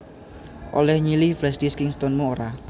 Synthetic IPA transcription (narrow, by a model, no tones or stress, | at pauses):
ʔo̰lɛhɲiliflɛsdiskɪŋst̪onmuoɾa